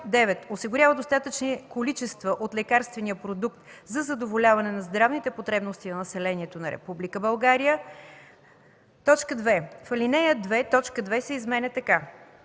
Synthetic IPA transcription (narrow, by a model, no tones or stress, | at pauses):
d̪ɛvɛt̪osiɡʊɾʲavəd̪ost̪at̪ət͡ʃnikolit͡ʃɛst̪vəʔot̪lɛkaɾst̪vɛnijəpɾod̪ukt̪zɐzɐd̪ovolʲavɐnɛnɐzd̪ɾavnit̪ɛpot̪ɾɛbnost̪inɐnɐsɛlɛniɛt̪onɐɾɛ̰publikəbɐlˠɡaɾijə | t̪ɔt͡ʃkəd̪vɛfɐlinɛjəd̪vɛt̪ɔt͡ʃkəd̪vɛsɛizmɛnɛt̪ɐka